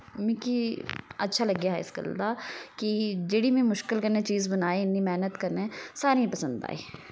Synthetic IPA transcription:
mĩkiɐtːʃʰalɐɡjaɦɪ̰skə̰ld̪akid͡ʒeːɽimẽmʊʃkɪlkɐɾnet͡ʃiːzbɐnaːeɪnːimɛɦnət̪kɐɾnesaːɾiĩpɐsə̃nd̪a̰ːḛː

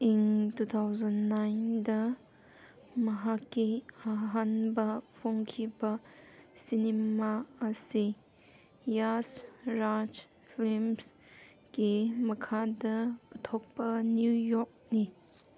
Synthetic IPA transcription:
intut̪ʰawzɐnːajndɐ | mɐɦakːiaɦanbɐpʰoŋkʰibɐsinemaɐsi | jasɾad͡ʒ | pʰilms | ɡimɐkʰadɐpɐtʰok̚pɐnjujɔk̚ni

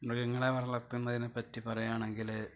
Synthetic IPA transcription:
nokːeŋːɐɭeʋɐrɐɭɐt̪ːunːɐðinepːɐtːipɐrɐjaːɳe̞ŋɡil

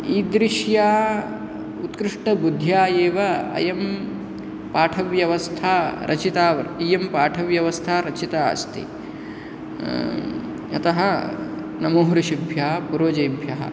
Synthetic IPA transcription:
iːd̪ɾɪʃjaː | ut̪kɾɪʂʈɐbud̪ʱjaːjeːʋɐɐ̰jɐm | paːʈʰɐʋjɐʋɐst̪ʰaːɾʔɐ̰t͡ʃʰit̪aːʋɐɾijɐmpaːʈʰɐʋjɐʋɐst̪ʰaːɾɐt͡ʃʰit̪a̰ːst̪ʰḭ | ɐ̰t̪ɐɦɐ | nɐmoːɦɾuʃibʱjaːpuɾoːd͡ʒɐjbʱjɐɦɐ̰

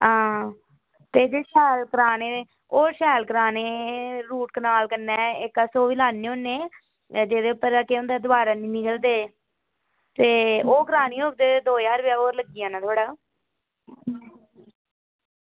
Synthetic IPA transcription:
ɦãː | t̪eːd͡ʒeːʃɛːlkəɾaːneː | oːʃɛːlkəɾaːneːɾuːʈ̚kənaːlkənːɛːɪkasoːʋiːlaːnːeːõːnːeː | d͡ʒeːd̪eːʊpːəɾakeõnd̪ɛːd̪ʊbaːɾaːnĩːnɪkəld̪eː | t̪eːoːkɾaːniːoːk̚d̪eːd̪oːjaːɾʋjaːoːɾləɡiːãːnãːt̪ʰoːɽaː

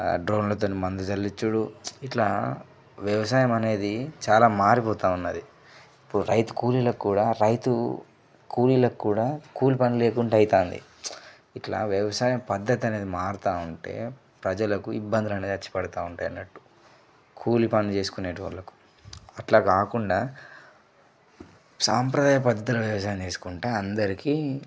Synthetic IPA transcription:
ɖɾo̞ːnlɐt̪̬oːnimɐnd̪ud͡ʒɐlːit͡ʃːuɽuiʈlaː | ʋjɐʋɐsaːjɐmɐne̞ːd̪it͡ʃaːlaːmaːɾipɔːt̪aːunːɐd̪i | ipːuɽuɾɐ̰jt̪u̥kuːlilɐkkːuːɽaːɾɐjt̪u | kʰuːlilɐkkːuːɽaːkuːlipɐnile̞ːkuɳʈeɐjt̪aːnd̪ḭ | iʈla̰ːʋjɐʋɐsaːjɐmpɐd̪ːɐt̪iɐne̞ːd̪imaːɾut̪aːuɳʈe̞̰ː | pɾɐd͡ʒɐlɐkuibːɐnd̪ilɐne̞ːd̪ɐt͡ʃːi̥pɐɽɐt̪aːuɳʈaːjɐnːɐʈːu̥ | kʰuːlipɐnit͡ʃe̞ːsu̥kuneːʈuʋɐ̰ɭːɐku̥ | ɐʈlaːkaːkuɳɖaː | saːmpɾɐd̪aːjɐpɐd̪ːɐt̪ulɐʋjɐʋɐs̬aːjɐmt͡ʃe̞ːsu̥kuɳʈeːɐnd̪ɐɾikiː

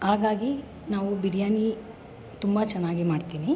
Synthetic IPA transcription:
ɦaːɡaːɡi | naːʋubiɽijaːni | t̪umbɐt͡ʃɛnːaːɡimaːɖt̪iːni

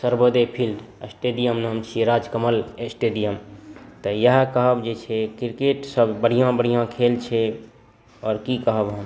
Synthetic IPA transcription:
səɾbəd̪epʰilɖəsʈeɖijəmnɦəmt͡ʃʰiɾad͡ʒkəməlesʈeɖijəmt̪əjəɦkəɦəbd͡ʒet͡ʃʰɛkiɾkeʈsəbbəɽ̤ijãbəɽ̤ijãkʰelt͡ʃʰɛ | ɔːɾkikəɦəbɦəm

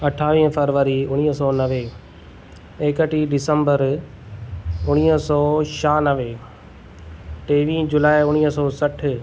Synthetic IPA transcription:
ɐʈʰaːʋĩːɦfɐɾʋəɾiʊɽ̃iːɦəsɔːnɐʋe | eːkəʈiɖɪsəmbəɾ | ʊɽ̃iːɦəsɔːʃaːnɐʋeː | ʈeːʋĩːd͡ʑʊlaːɪʊɽ̃iːɦsɔːsɐʈʰ

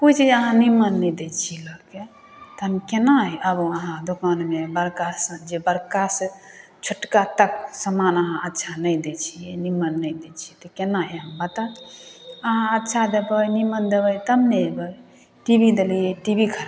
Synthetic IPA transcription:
put͡ʃʰiəɦãnimənːəjd̪et͡ʃʰiləke | t̪əmkenaɦɛəboəɦãd̪okanmebəɾkasə̃d͡ʒebəɾkasə̃ | t͡ʃʰuʈkat̪ək̚səmanəɦãʔətːʃʰanəjd̪et͡ʃʰijɛnimənːəjd̪et͡ʃʰit̪əkenaɦeɦəmbət̪a | əɦãətːʃʰad̪ebəjnimənd̪ebəjt̪əmnebəj | ʈibid̪elijeʈibikʰəɾ

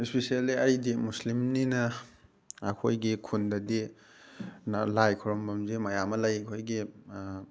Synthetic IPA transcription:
ispisialiɐjdimuslimninɐː | kʰojɡikʰundɐdi | nalajkʰɔɾɔmbɐmzimajamɐlɐjɐkʰojɡi

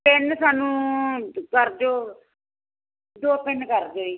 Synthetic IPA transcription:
pɪnsaːnũː | kəɾd͡ʒoː | d̪oːpɪnkəɾd͡ʒoːiː

